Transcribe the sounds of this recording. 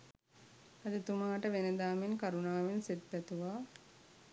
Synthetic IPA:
ɐd̪it̪umaːʈəʋened̪aːmenkaɾunaːʋenset̪̚pæt̪uʋaː

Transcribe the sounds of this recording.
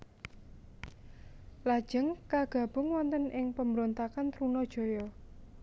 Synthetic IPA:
lad̥ʒ̥ə̤ŋkaɡ̥ä̤b̥ʊ̤ŋwɔnt̪ənʔɪŋpəmbəɾont̪akant̪ɾunɔd̥ʒ̥o̤jɔ

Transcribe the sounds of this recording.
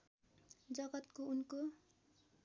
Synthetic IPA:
d͡zʌɡʌt̪kounko

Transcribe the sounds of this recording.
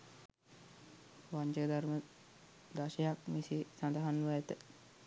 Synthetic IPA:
ʋaɲd͡ʒəd̪aɾmə | d̪aʃejakmisisand̪aɦanʋəæt̪ə

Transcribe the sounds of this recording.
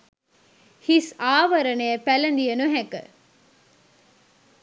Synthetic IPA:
hisaːʋɐɾɐnejɐpælɐnd̪ijɐnuɦɛkə̰

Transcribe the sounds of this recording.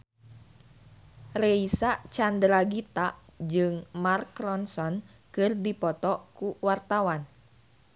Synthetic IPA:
reisat͡ʃandɾaɡit̪ad͡ʒɨŋmarkɾɔnsɔn | kɨrdipɔt̪ɔkuwart̪awan

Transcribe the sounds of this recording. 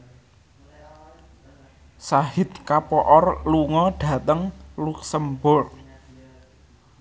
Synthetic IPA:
sahɪt̪̚kapɔʔɔrluŋɔɖ̥ä̤t̪əŋluksəmbɔr

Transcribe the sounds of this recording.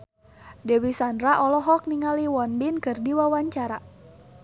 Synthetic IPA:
dɛwisandɾaʔɔlɔɦɔk̚niŋaliwɔnbinkɨrdiwawaɲt͡ʃaɾa

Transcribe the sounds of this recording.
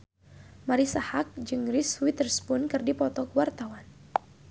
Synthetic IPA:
maɾisahak̚d͡ʒɨŋɾiswit̪ərspʊnkɨrdipɔt̪ɔk̚wart̪awan

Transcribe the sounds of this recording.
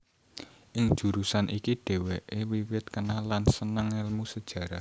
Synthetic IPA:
ʔɪŋd̥ʒ̥ṳɾusanʔikiɖ̥e̤weʔewiwɪt̪̚kənalansənəŋɪlmusəd̥ʒ̥ä̤ɾa

